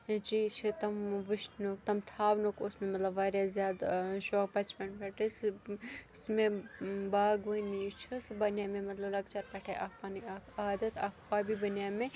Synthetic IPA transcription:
d͡ʒiːt͡ʃʰit̪ɐmʋɪʃnokt̪ɐmt̪ʰaːʋnokosmẽmɐt̪lɐbʋaːɾjazjaːd̪ʃoːk̚bɐt͡ʃpɐnpɐʈes | smẽbaːɡʋɐnit͡ʃʰisbɐnjaːmẽmɐt̪lɐblɐɡt͡ʃɐɾpɐʈʰeʔaːkpɐniakaːd̪ɐt̪aːkxwaːbibɐnjaːmẽ

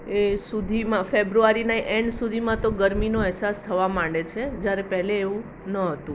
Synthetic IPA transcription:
esud̪ʱimãfebɾuaɾinaʔɛɳɖsud̪ʱimãt̪oɡəɾminoɛɦsast̪ʰəʋamãɳɖet͡ʃʰed͡ʒjaɾepɛɦleːʋũ | nəɦət̪ũ

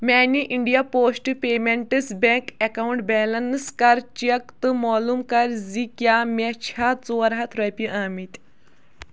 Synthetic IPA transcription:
maːniʔiɳɖijapoːsʈpemeɳʈɨsbẽkɛkauɳʈ̚bɛːlɐnɨskɐɾt͡ʃɐk̚t̪ɨmɔːlumkɐɾzikjamʲet͡ɕʰat͡soːɾɦat̪ʰɾɐpiʔaːmit̪

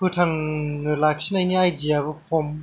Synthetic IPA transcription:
pɯtʰaŋnɯlak̚sinajniajdijaβɯpʰom

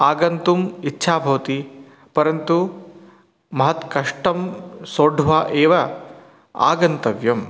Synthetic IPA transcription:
aːɡɐnt̪umitːʃʰaːbʱɐʋɐt̪i | pɐɾɐnt̪u | mɐɦɐt̪kɐʂʈɐmsoːɖʱʋaːʔeːʋɐ | a̰ːɡɐnt̪ɐʋjɐm

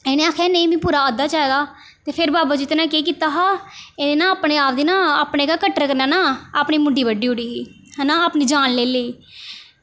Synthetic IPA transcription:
ɛːnẽːaːkʰɛːneĩːmĩːpuːɾaːəd̪aːt͡ʃaːeɡ̪aː | t̪eːpʰɪɾbaːbaːd͡ʒɪt̪nãːkeːk̬iːt̪aːɦaːɛːnẽːnãːaːpɽeːaːpd̪iːnãːaːpneːkaːkəʈːəɾkəɾnaːnaːaːpɳiːmʊɖiːʋəɖiːɦʊɽiː | ɦnaːaːpniːd͡ʒaːnleːləiː

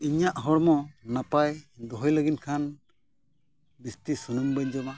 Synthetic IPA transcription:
iɲaʔɦɔɽmɔnapajd̪ɔɦɔjləɡinkʰan | bist̪isunumbəɲd͡ʒɔma

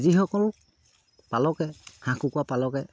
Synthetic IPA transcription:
zixɔkɔlʊ | palɔkɛhãkukwapalɔkɛ

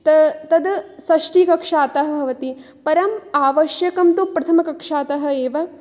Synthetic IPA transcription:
t̪ɐt̪ɐd̪sɐʂʈiːkɐkʂaːt̪ɐɦɐ̆bʱɐʋɐt̪i | pɐɾɐmaːʋɐʃjɐkɐmt̪upɾɐt̪ʰɐmɐkɐkʂaːt̪ɐɦɐ̆eːʋɐ

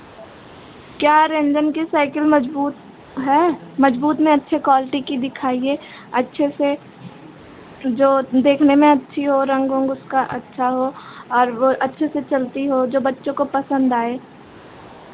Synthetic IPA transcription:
kjaːɾẽnd͡ʒənkisaːɪkəlmɐd͡ʒbuːt̪ | ɦɛːmɐd͡ʒbuːt̪mẽɐtːʃʰekwaːlɪʈikid̪ɪkʰaːie | ɐtːʃʰese | d͡ʒoːd̪eːkʰnemẽɐtːʃʰiɦoɾɐ̃ŋɡõŋɡʊskaʔɐtːʃʰaɦoɔːɾʋoʔɐtːʃʰeset͡ʃɐlt̪iɦod͡ʒoːbɐtːʃõkopɐsə̃nd̪aːeː

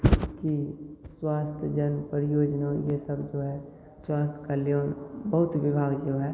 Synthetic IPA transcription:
kiswaːst̪ʰjəd͡ʒənpəɾjoːd͡ʒnajesəbd͡ʒoːɦɛ | swaːst̪ʰkaljoːnbəɦʊt̪ʋɪbʱaːɡd͡ʒiɦɛ

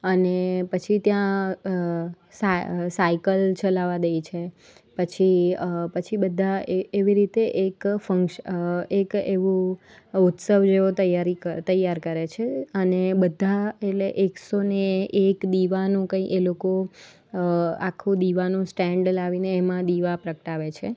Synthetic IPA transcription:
ənepət͡ʃʰit̪jã | sasaikəlt͡ʃəlaʋad̪ejt͡ʃʰe | pət͡ʃʰipət͡ʃʰibəd̪ʱaeeʋiɾit̪eʔekfəŋkʃekeʋũ | ut̪səʋd͡ʒeʋot̪əjaɾit̪əjaɾkəɾet͡ʃʰeənebəd̪ʱːaeʈleʔeksoneekd̪iʋanũkə̃ĩʔeloko | a̰kʰːũd̪iʋanũsʈɛ̃ɳɖəlaʋineːmãd̪iʋapɾəkəʈaʋet͡ʃʰe

